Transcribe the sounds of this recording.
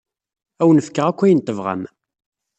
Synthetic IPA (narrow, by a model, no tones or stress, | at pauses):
æwənəfkːəʁækʷːæjənt̪ˤːəvʁa̰n